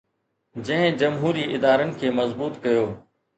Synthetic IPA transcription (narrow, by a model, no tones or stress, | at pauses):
d͡ʑə̃ɦɪ̃d͡ʑəmɦuːɾiːʔɪd̪aːɾənɪ̆kʰeːmɐzbuːt̪kəjoː